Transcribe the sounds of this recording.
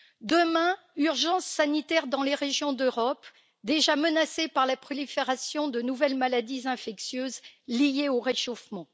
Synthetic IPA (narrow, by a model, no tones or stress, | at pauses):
d̪əmɛ̃ | yʁʒɑ̃sːanit̪ɛʁd̪ɑ̃leʁeʒjɔ̃d̪øʁɔp | d̪eʒamənasepaʁlapχɔlifeʁasjɔ̃d̪ənuvɛlmalad̪izɛ̃fɛksjøzlijeoʁeʃofmɑ̃